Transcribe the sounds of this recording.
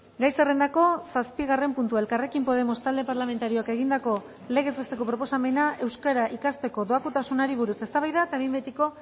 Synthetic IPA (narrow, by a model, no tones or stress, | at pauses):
ɡajsere̞nd̪ako̞saspiɣare̞mpunt̪uae̞lkare̞kimpo̞ð̞e̞mo̞st̪ald̪e̞paɾlame̞nt̪aɾio̞ake̞ɣ̞ind̪ako̞ | le̞ɣ̞e̞zβest̪e̞ko̞pɾo̞po̞same̞nae̞wskaɾaʔikast̪e̞ko̞ðo̞akut̪asunaɾiβ̞uɾuse̞st̪aβajðaet̪aβimbet̪iko̞